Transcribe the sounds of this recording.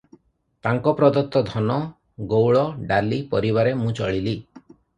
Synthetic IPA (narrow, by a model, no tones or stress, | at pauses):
t̪aŋkɔpɾɔd̪ɔt̪ːɔd̪ʱɔnɔ | ɡowɭɔɖalipɔɾiβaɾemũt͡ʃɔɭili